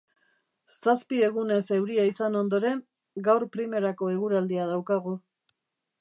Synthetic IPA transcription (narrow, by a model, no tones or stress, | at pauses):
saspie̞ɣune̞se̞wɾiaisano̞nd̪o̞ɾe̞n | ɡawɾpɾime̞ɾako̞e̞ɣuɾald̪iað̞awkaɣ̞u